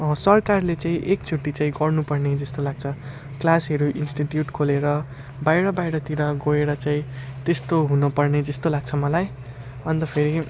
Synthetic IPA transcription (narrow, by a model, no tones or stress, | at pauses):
sʌrkarlet͡sãĩʔek̚t͡sʰuʈːit͡saĩɡʌrnupʌrned͡zʌst̪olaɡ̚t͡sʰʌ | klasʌɾuʔinsʈiʈjuʈkʰoleɾʌ | bajɾʌbajɽʌt̪iɾʌɡoeɾʌt͡saĩt̪est̪oɦunʌpʌrned͡zʌst̪olaɡ̚t͡sʰʌmʌlaj | ʌnt̪ʌpʰeɾi